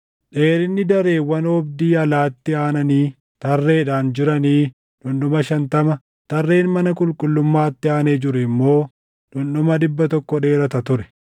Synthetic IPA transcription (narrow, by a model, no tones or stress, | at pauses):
ᶑe̞ːɾɪnːɪd̪ɐɾeːwɐnɔbd̪iːɐlaːt̪ːɪaːnɐniː | t̪ɐrːe̞ːᶑaːnd͡ʒɪɾɐniː | ᶑʊnɗʊmɐʃɐnt̪ɐmɐ | t̪ɐrːe̞ːnmɐnɐkʼʊlkʼʊlːʊmːaːt̪ːɪaːneːd͡ʒɪɾʊɪmːo̞ː | ᶑʊnɗʊmɐd̪ɪbːɐt̪ɔkːɔᶑe̞ːɾɐt̪ɐt̪ʊɾɛ̥